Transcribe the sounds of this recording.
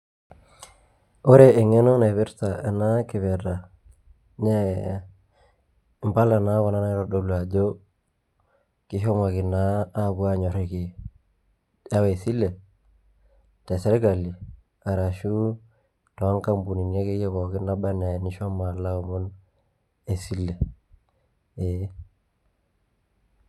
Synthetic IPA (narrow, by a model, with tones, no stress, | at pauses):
o˦ɾe˨e˨ŋe˦no˦na˨βi˦ɾta˨e˨na˦ki˨βɛ˨ɾa˨ | ne˦ | m˨pa˦la˨na˦wɔ˨na˦na˦ɾɔ˨ɗo˨lu˨a˨d͡ʒo˦ | ki˦ɦo˦ma˨ki˨naː˦˨bu˦a˦ɲo˨ɾi˨ki˨ | a˦we˨si˦lːe˨ | te˨se˦ɾɡa˨li˨ | a˨ɾa˨ʃu˦ | to˨a˦ŋka˦mbu˨ni˨n˦e˦ki˦je˦ko˨ki˦na˦ba˦ne˨ni˦ʃo˦ma˨la˦wo˨mu˦n | e˨si˦lːe˨ | e˨˦